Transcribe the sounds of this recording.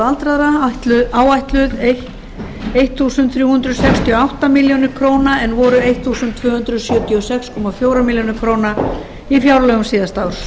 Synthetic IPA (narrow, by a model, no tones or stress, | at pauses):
alt̪ɾaðɾaht̪lʏaːwajt̪lʏðe | ejht̪θusʏnt̪θɾjuːhʏnd̪ɾʏðsɛkst̪ʰiɔawht̪amiljownɪɾ̥kʰɾoːwnaɛnvɔɾʏejht̪θusʏnt̪ʰvʏːhʏnd̪ɾʏðsjœːt̪iɔsɛkskʰɔmafjoːwɾamiljonɪɾkʰɾoːwna | ifjawɾlœɣʏmsiːðast̪awɾ̥s